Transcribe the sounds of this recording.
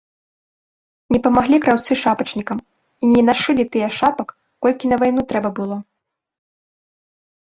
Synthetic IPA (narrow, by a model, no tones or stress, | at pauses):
nʲɛpɐmaɣlʲikɾawt̪sɨʂapɐt͡ʂnʲikɐm | inʲɛnaʂɨlʲit̪ɨjɛʂapɐkː | ɔlʲkʲinɐvajn̪ut̪ɾɛbɐbɨlˠɔ